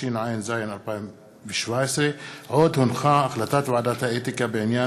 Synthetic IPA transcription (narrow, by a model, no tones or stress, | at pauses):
inʕaːjinzaːjnɐlpa | biʃwaːseʕoːd̪hunxãːɐxlɐt̪at̪wad̪at̪ʰaet̪ikabenjaː